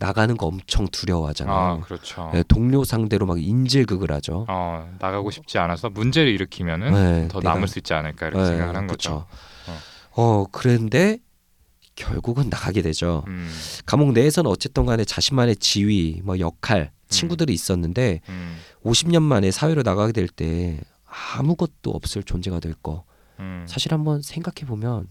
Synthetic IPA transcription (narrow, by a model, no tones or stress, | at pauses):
naɡanɯnɡʌʌmt͡ɕʰʌŋtuɾjʌwa̰d͡ʑa̰najokɯɾʌt͡ɕʰoje̞toŋɲosʰaŋde̞ɾomaɡind͡ʑiɭɡɯɡɯɾɦa̰d͡ʑoanaɡaɡoɕʰi̥p̚t͡ɕ͈ianasʰʌmund͡ʑe̞ɾɯiɾɯkʰimjʌnɯnetʌamɯɭs͈uit̚t͡ɕianɯɭk͈aiɾkeeɡaɡɯhanɡkɯt͡ɕʰo | ʌkɯɾende̞ | kjʌ̰ɭɡuɡɯnːaɡaɡe̞dwe̞d͡ʑo | kamoŋne̞ːsʰʌnʌt͡ɕ͈e̞t͈ʌŋɡanet͡ɕaɕʰimane̞t͡ɕiɥimʌjʌ̰kʰaɭ | t͡ɕʰinɡudɯɾiːs͈ʌnːɯnde̞ | oɕʰimɲʌnmane̞sʰaweɾonaɣaɡe̞dwe̞ɭt͈e̞̰ | amuɡʌt̚t͈o̰ʌ̰p̚s͈ɯɭt͡ɕond͡ʑe̞ɡadwe̞ɭk͈ʌ̰ | sʰaɕʰiɾhambʌnsʰe̞ŋɡakʰe̞bomjʌn